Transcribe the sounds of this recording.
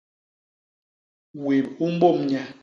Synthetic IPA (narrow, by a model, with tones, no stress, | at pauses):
we˨mu˦m̩˦bo˦˨mɲa˨